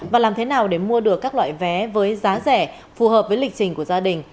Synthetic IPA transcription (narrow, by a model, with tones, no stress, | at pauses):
vaː˨˩laː˨˩mt̪ʰe˨˦naː˨˩wɗe˧˩mu˧əɗɨ˨˩əkːaː˦˥k̚la̰ː˧˨jvɛ˨˦vəː˨˦jzaː˨˦zɛ˧˩ | fu˨˩həː˨˩p̚vəː˨˦jlï˨˩k̚t͡ɕï˨˩ŋ̟ku˧˩əzaː˧ɗï˨˩ŋ̟